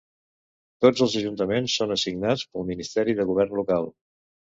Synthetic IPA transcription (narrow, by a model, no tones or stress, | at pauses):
t̪od͡zəlˠzəʒunt̪əmensːonəsiɡnat͡spəlˠminist̪ɛɾiðəɣuβ̞ɛrnlukalˠ